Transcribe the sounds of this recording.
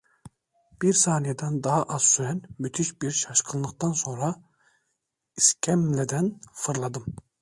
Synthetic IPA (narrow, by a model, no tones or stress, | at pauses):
b̥iɾsɑːnijed̪ænd̪ɑɦɑʔɑz̥syɾænmyt̪ʰiʃbiɾʃɑʃqʰɯnˠlˠɯqt̪ɑnsoŋɾɑ | iskʲʰæmlɛd̪ænfɯɾlˠɑd̪ɯm